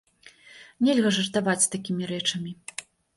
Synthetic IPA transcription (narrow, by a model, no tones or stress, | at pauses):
nʲɛlʲɣɐʐɐrt̪avat͡sʲst̪akʲimʲiɾɛt͡ʂɐmʲi